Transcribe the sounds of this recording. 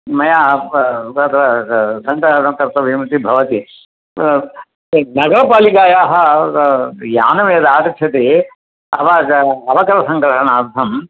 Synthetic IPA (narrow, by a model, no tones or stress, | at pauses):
mɐjaː | ɐt̪ɾɐsɐnʈ̪ɐɾɐmk̪ɐɾt̪ɐʋimɐt̪ibʱɐʋɐt̪i | nɐɡɐɾɐpaːlikaːjaːɦɐ | jaːnɐmeːd̪aːk̪ɐt͡ʃʰɐt̪e | ɐ̰ʋɐɐʋɐkɐɾɐsɐ̃ŋɡɾɐʂɐɳaːɾd̪ʱɐm